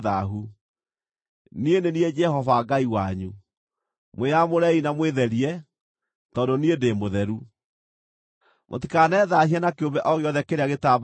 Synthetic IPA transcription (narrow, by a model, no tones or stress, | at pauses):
ðaɦu | niendeniɛd͡ʒɛhɔvaɡaiwaɲu | mwejamoɾɛinamweðɛɾiɛ | tɔːdoniedemoðɛɾu | mʔo̰tikanɛːðahiɛnakeombɛʔɔɣeɔðɛkeɾeaɣetab